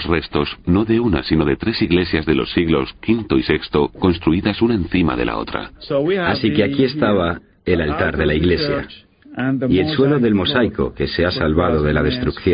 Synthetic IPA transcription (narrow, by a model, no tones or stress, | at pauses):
sre̞st̪o̞sno̞ðeuna̰sino̞ðe̞t̪ɾe̞siɣle̞sjazðe̞lo̞sːiɣlo̞skint̪o̞ise̞kst̪o̞ko̞nst̪ɾuiðasunaẽ̞nθima̰ðe̞̰lʔa̰o̞̰t̪ɾa̰asike̞akie̞st̪aβ̞a | e̞lalt̪aɾðe̞laiɣle̞sja̰ | ie̞lswe̞lo̞ðe̞lmo̞sajko̞̰ke̞se̞asalβað̞o̞ðe̞lað̞e̞st̪ɾukθjo